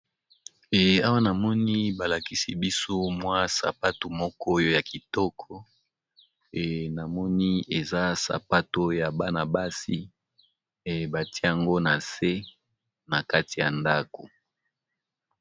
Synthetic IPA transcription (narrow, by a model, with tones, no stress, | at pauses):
ɛ˨a˦wa˦na˨mɔ˦ni˦ba˨la˨ki˦si˦bi˦so˦mwa˦sa̰˨pa˦to˨mɔ˦kɔ˦jo˦ja˨ki˨tɔ˦kʰɔ˨ | e˨na˨mɔ˦ni˦e˨za˦sa̰˨pa˦to˦ja˨ba˦na˨ba˦si˦ | e˨ba˨ti˦a˨ŋɡo˦na˨se˦ | na˨ka˦ti˨ja˨nda˦ko˨